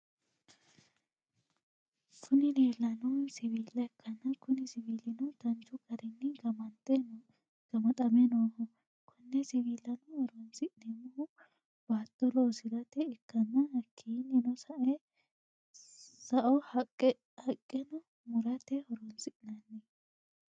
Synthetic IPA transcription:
kʰʊnɪneːlːɐnɔwsɪβiːlːɐɛkʰːɐnːɐkʊnɪsɪbiːlːɪnɔt̪ɐnt͡ʃʊɡɐɾɪnːɪɡɐmɐnt̪ʼɛn | ɡ̥ɐmɐt̪ʼɐmɛnoːhɔ | kʰɔnːɛsɪbiːlːɐnɔhɔɾɔnsɪʔnɛmɔ | b̥aːt̪ːɔloːsɪɡɐt̪ɛːkːɐnːɐhɐkʰːiːnɪnɔsɐʔɛ | sɐʔɔhɐ | hɐkʼːɛnɔ | mʊɾɐt̪ɛhɔɾɔnsɪʔnɐnːɛ

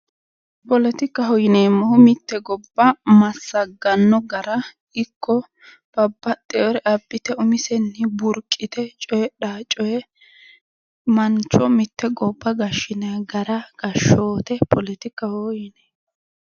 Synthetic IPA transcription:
pɔlɛt̪ɪkːɐɦɔjɪneːmːɔhʊmɪt̪ːɛɡɔbːɐmɐsːɐɡɐnːɔɡɐɾɐ | ɪkʰːɔ | b̥ɐbːɐt̪ʼːɛɔɾɛʔɐbːɪt̪ɛʊmɪsɛnːɪbʊɾkʼːɪt̪ɛt͡ʃʼɔjɛɗaːt͡ʃʼɔjɛ | mɐnt͡ʃːɔmɪt̪ːɛɡɔbːɐɡɐʃɪneɡɐɾɐɡ̥ɐʃoːt̪ɛpʰɔlɛt̪ɪkːɐhɔjɪneː

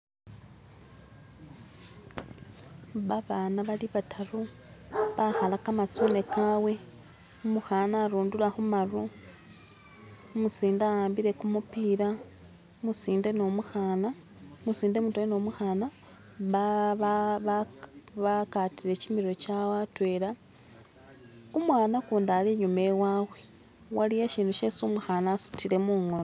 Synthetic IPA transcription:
βaβaːnaβaliβatʰaro | βaxalakamat͡sone̞kawe̞ | umuxanaːɾuːndulaxumaro | musiːndajaːmbiɾe̞kumupiːɾa | musiːnde̞nomuxaːna | musiːndemutweweno̞muxaːna | βaβakatile̞cimiɾo̞cawatwe̞la | umwaːnakuːndaliɲumewaːwe | walijeʃiːnduʃesumuxanaːsu̥tile̞muːŋon

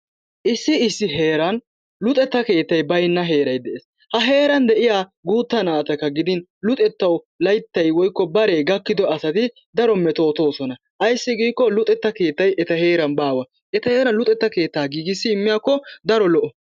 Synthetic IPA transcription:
ʔɪsːɪɪsːɪɦe̞ːɾɐn | lʊt̪ʼɛt̪ːɐke̞ːt̪ːɐjbɐjnːɐɦe̞ːɾɐjd̪ɛʔeːs | hɐɦe̞ːɾɐnd̪ɛʔɪjaːɡuːt̪ːɐnaːt̪ɐkːɐɡɪd̪ɪnlʊt̪ʼɛt̪ːɐw | lɐjt̪ːɐjwɔjkːɔbɐɾeɡɐkːɪd̪ɔɐsɐt̪ɪ | d̪ɐɾɔmːɛt̪o̞ːt̪o̞ːsɔnɐ | ʔɐjsːɪɡiːkːɔlʊt̪ʼɛt̪ːɐke̞ːt̪ːɐjʔɛt̪ɐɦe̞ːɾɐnbaːwɐ | ʔɛt̪ɐhe̞ːɾɐnlʊt̪ʼɛt̪ːɐke̞ːt̪ːaːɡiːɡɪsːɪːmːɪjaːkːɔd̪ɐɾɔlɔʔɔ

